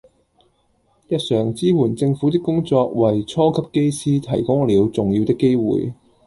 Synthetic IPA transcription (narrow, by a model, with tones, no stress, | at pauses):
jɐ˨t̚sœː˨˩ŋt͡siː˥wuː˨˩nt͡sɪ˧ŋfu˨˥t̪ɪ˥kːʊ˥ŋt͡sɔː˧k̚wɐ˨˩jt͡sʰɔː˥kʰɐ˥p̚ke˥jsiː˥t̪ʰɐ˨˩jkʊ˥ŋliː˨˧wt͡sʊ˨ŋji˧wt̪ɪ˥kːe˥jwṵː˨j